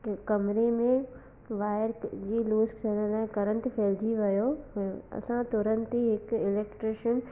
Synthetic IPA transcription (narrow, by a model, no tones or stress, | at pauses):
kɐmɾemẽ | ʋaːɪɾd͡ʑiːluːsksɐɽ̃əlaːɪ̃kɐɾə̃ɳʈ̪fʰeːld͡ʑiʋɐjoɦjoɐ̰sãt̪ʊɾə̃nt̪iɦɪkɪleːkʈɾeːʃən